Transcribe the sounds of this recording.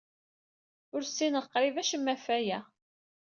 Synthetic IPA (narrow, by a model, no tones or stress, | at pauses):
ʊɾsːinəqːɾivæʃəmːæfæjæ